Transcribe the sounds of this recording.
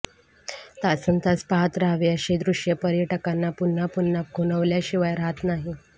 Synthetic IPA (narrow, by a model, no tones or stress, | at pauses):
t̪asənt̪aspaɦət̪ɾaɦʋeəɕed̪ɾuɕjəpəɾjəʈəkanːapunːapunːaɡʱunəʋljaɕiʋajɾaɦat̪naɦi